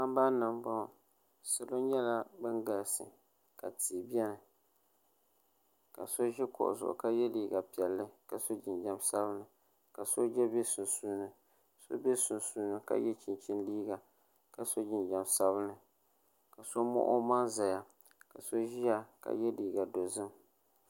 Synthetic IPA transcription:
a˦mba˦nɨ˨mba˦˨ | sɨ˨lo˦ɲɛ˦la˦bɨ˦nɡa˨lsɨ̰˨ | ka˨tiː˨bjɛ˦nɨ˨ | ka˨so˦ʒɛ˦kʊ̰˨ʔʊ̰˨zʊ̰˨ʔʊ̰˨ka˦jɛ˦liː˨ɡa˨pi˨ɛ˨lːɨ˦ka˨so˦d͡ʒɪ˨nd͡ʒa˨msa˦βɨ˦nɨ˨ | ka˨so˦d͡ʒɛ˦be˦sʊ˨nsuː˦nɨ˨ | so̰˦be˦sʊ˨nsuː˦nɨ˦˨ka̰˦jɛ˦t͡ʃi˨nt͡ʃɪ˦nliː˦ɡa˨ | ka˨so˦d͡ʒɪ˨nd͡ʒa˨msa˦βɨ˦nɨ˨ | ka˨so˦mo̰˦ʔʊ˦ma˦za˨ja˨ | ka˨so˦ʒi˦ja˦ka̰˨jɛ˦diː˨ɡa˨do˨zɨ˦m

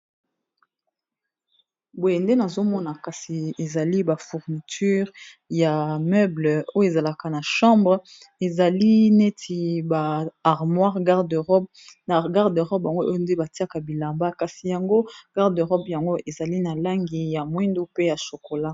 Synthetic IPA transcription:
bo˨je˨nde˦na˨zo˦mɔ˦na˨ka˨si˨e˨za˨li˦ba˨fu˨ʁni˨tʰy˦ʁ | ja˨mœ˦blə˨o˦jo˦e˨za˨la˨ka˨na˨ʃɑ̃˦mbʁ | e˨za˨li˦ne˦tʰi˨baː˨ʁmwa˦ʁɡa˦ʁdø˨ʁɔ˦b̚ | na˨ɡa˦ʁdø˨ʁɔ˦bja˨ŋɡo˦ʔo˦jo˦nde˦ba˨ti˦a˦ka˨bi˨la˨mba˦ka˨si˨ja˨ŋɡo˦ɡ̥a˦ʁdø˨ʁɔ˦bja˨ŋɡo˦ʔe˨za˨li˦na˨la˦ŋɡi˨ja˨mwi˦ndu˦pe˦ja˨ʃo˨ko˨la˦

